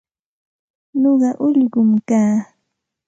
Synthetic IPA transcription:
noɢɑʔʊʎɢʊmkaː

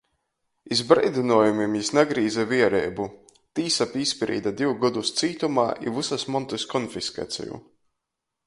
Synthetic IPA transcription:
izbɾɛjd̪ʲinuɔjumimjisnaɡɾiːzaviɛɾɛːbu | t̪iːsapispʲɾḭːd̪ad̪iwɡɔd̪ust̪siːt̪umaːʔḭvusasmɔnt̪ɨskɔnfiska̰ːt̪sʲɛ̰jṵ

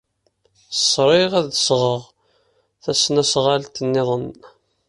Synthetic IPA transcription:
θəsˤɾˤeʁæðsʁəʁ | θæsnæsʁalt̪ənːɪðˤən

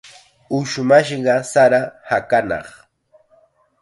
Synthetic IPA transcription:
ʊʃmaʃɢɑsaɾahakanɑ̰χ

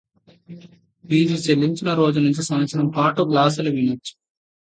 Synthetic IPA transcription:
biːd͡ʒit͡ʃelːiɲt͡ʃinɐɾo̞ːd͡ʒunuɲt͡ʃisɐmɐsʰɐɾɐmpaːʈuɡlaːs̬uluʋinit͡ʃːu̥

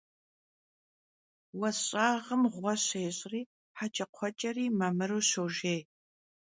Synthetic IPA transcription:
wɐɕʼaːʁəmʁʷɔɕeːɕʼriː | ħat͡ʃʰʼɐqʷʰɔt͡ʃʼɐriːmɐmɨɾuːɕoːʒeːj

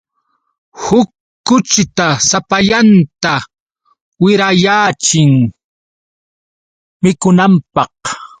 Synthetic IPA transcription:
hʊkː | ʊt͡ʃɪt̪asapaʎant̪a | wɪɾajaːt͡ʃɪŋ | mɪkʊnampɑh

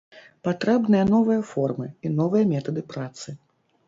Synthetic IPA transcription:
pat̪ɾɛbnɨjɐn̪ɔvɨjɐfɔrmɨinɔvɨjɐmʲɛt̪ɐd̪ɨpɾat̪sɨ

